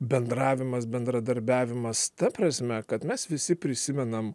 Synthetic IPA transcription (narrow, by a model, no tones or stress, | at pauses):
bʲɛnd̪ɾɑːʋʲɪmɐsbʲɛnd̪ɾɐd̪ɐɾʲbʲæːʋʲɪmɐst̪ɐpɾɐsʲmʲɛkɐt̪mʲɛsʋʲɪsʲɪpʲɾʲɪsʲɪmʲɛnɐm